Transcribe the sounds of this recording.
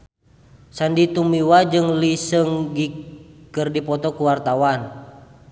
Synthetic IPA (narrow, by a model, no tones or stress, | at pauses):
sandit̪umiwad͡ʒɨŋlisəŋɡikərdipɔt̪ɔkuwart̪awan